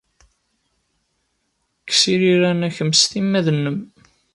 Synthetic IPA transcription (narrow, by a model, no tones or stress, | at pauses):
kːsiɾiɾænæçəmːsθimːæðənːəm